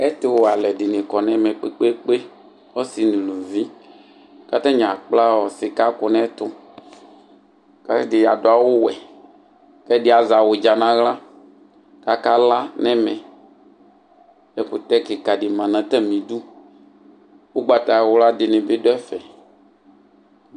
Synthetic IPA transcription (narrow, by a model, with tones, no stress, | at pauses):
ɛ˦t̪ɪ˦wo˨a˨lɛ˨dɪ˨nɪ̃˨kɔ˨nɛ̃˦mɛ̃˨k͡pe˦k͡pe˦k͡pe˦ | o˦si˨nũ˨lu˨vi˦ | ka˦t̪ɛ˦ɲã˨k͡pla˦wɔ˨sɪ˨ka˦kʊ˨nɛ̃˦t̪ʊ˦ | ka˦tɛ˦dɪ˨ja̰˨do˨a˨wo˦wɛ˨ | kɛ˦dɪ˦a˨za˨wo˨d͡ʒa˨nã˦ɣla˦ | ka˨ka˦la˦nɛ̃˦mɛ̃˨ | ɛ˨kʊ˨t̪ɛ˦ke˨ka˨dɪ˨mã˨nã˨t̪ɛ˦mĩ˨du˦ | wo˦ɡ͡ba˨t̪a˨wo˦la˦dɪ˨nɪ̃˨be˦do˦ɛ˦fɛ˨